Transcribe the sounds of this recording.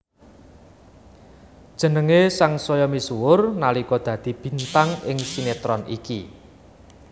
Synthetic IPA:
d̥ʒ̥ə̤nəŋesaŋsɔjɔmisuwʊrnalikɔd̪̥ä̤d̪̥i̤b̥i̤nt̪aŋɪŋsinet̪ɾɔnʔḭkḭ

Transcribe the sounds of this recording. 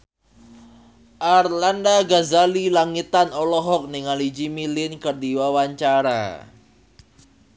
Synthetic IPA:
ʔarlandaɡazalilaŋit̪anɔlɔɦɔk̚niŋalid͡ʒimilɪnkərdiwawaɲt͡ʃaɾa̰

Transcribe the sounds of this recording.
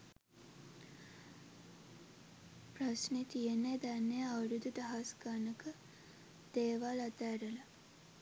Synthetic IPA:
prasnet̪ijened̪anːejaʋəɾud̪ud̪ɐɦasɡanəkə | d̪̥eːʋaːlat̪aɾəla

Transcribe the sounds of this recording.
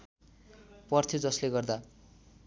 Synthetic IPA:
pʌrt̪ʰod͡zʌsleɡʌrd̪a

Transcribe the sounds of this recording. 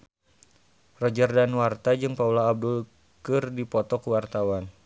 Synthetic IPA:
rɔd͡ʒərdanwart̪ad͡ʒɨŋpaulaːb̚dul | kɨrdipɔt̪ɔkuwart̪awan

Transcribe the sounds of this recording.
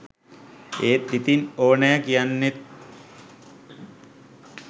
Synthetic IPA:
eːt̪ːit̪inoːnajəkijanːet̪̚

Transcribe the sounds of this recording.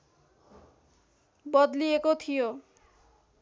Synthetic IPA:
bʌd̪liekot̪ʰijo

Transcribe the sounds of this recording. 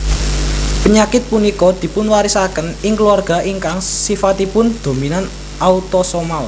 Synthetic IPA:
pəɲakɪt̪̚punikɔd̪̥i̤pʊnwaɾisakənɪŋkluarɡ̥a̤ʔiŋkaŋsifat̪ipʊnd̪̥o̤minan | ʔaut̪ɔsɔmal

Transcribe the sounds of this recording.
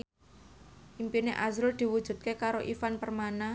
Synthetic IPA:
ʔimpineʔazɾʊld̪̥i̤wud̥ʒ̥ṳt̪̚kekaɾoʔifanpərmana

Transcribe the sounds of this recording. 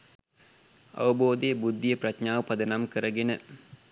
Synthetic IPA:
ɐ̰ʋəboːd̪ejəbud̪ːijəprɐtɲaːʋəpɐd̪ənamkəɾəɡenə

